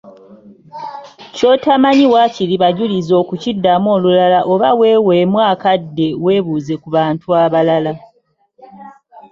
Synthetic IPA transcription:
co̞tamaɲiwaciɾiβaɟulizo̞ːkucidːamo̞ːlulalaʔo̞βawe̞ːweːmwaːkadːe̞we̞ːβuze̞kuβaːntuaβalala

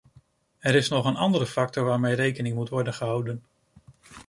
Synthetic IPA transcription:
ɛɾɪsnɔχənɑ̰ndəɾəfɑk̚tɔɹʋaːɹmejrejkənɪŋmutʋɔɹdənχəɦɑwdən

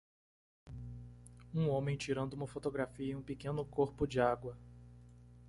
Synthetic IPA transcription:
ũõmẽj̃t͡ʃiɾɐ̃nd̪ʊũmɐfot̪oɡɾafiɐiũpikẽnʊkoɾpʊd͡ʒɪaɡwɐ

